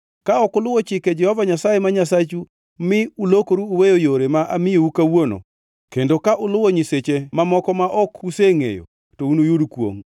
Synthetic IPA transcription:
kaɔkʊlʊwɔt͡ʃɪked͡ʒɛhɔvaɲasajemaɲasat͡ʃu | mɪulokoɾuuwejojoɾemaʔamɪjoukawono̰ | kendokaʔʊlʊwɔɲiset͡ʃemamɔkɔmaʔɔkuseŋḛjo̰ | tounojudkwo̰ŋ

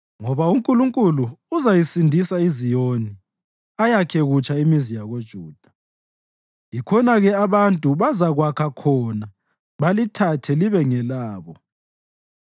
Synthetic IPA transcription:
ŋɔβauŋkʼuluŋkʼuluːzajisindʱisaizijoni | ajakʰɛɣut͡ʃʼaimizijaɣod̥ʒ̥ʱuːd̥ʱa | jikʰɔnaɣɛaβantʼuβazaɣwakʰakʰɔna | βalitʰatʰɛliβɛŋɛlaːβɔ

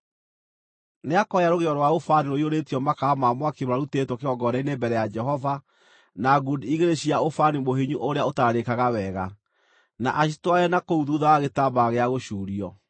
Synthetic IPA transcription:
neakɔjaɾoɣeɔɾwaofaniɾoioɾetiɔmakaːmamwakemoɾaɾutetwɔkeɔɡɔɾɛinembɛɾɛjad͡ʒɛɦɔva | naɡudiɣeɾeɕiaofanimoɦiɲuʔoɾeaotaɾaɾekaɣawɛɣa | na̰ʔaɕitwajɛnakouðuðawaɣetabaɣeaɣoɕuːɾiɔ

